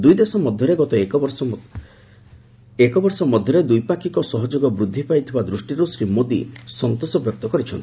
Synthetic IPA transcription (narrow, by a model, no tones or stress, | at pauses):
d̪ujd̪esɔmɔd̪ʱjɔɾeɡɔt̪ɔek | ekɔbɔɾsɔmɔd̪ʱjɔɾed̪ujpakikɔsɔɦɔd͡ʒoɡɔbɾud̪ʱːipajt̪ʰibad̪ɾusʈiɾusɾimod̪ḭsɔnt̪osɔbjɔk̚t̪ɔkɔɾit͡ʃʰɔnt̪i̥